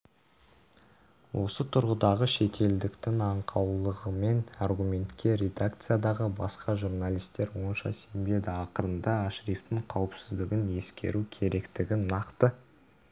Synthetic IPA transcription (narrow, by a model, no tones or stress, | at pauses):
wʔo̞sət̪ʰʊɾʁəd̪ɑʁəʃe̞t̪ʰe̞ld̪ɪkt̪ɪŋɑɴqʰɑwlˠəʁəme̞narɡumʲe̞nt̪kʲe̞ɾʲe̞d̪ak̚t̪sɨjad̪ɑʁəbɑsqʰɑʒurnalˠijst̪e̞ɾwo̞nʃɑ̰se̞mbe̞d̪ɪɑqəɾənd̪ɑaʃɾift̪ɪɴqʰɑwəpsɪzd̪ɪɡʲɪne̞skʲe̞̰ɾukʲʰe̞ɾe̞kt̪ɪɡʲɪnɑqt̪ə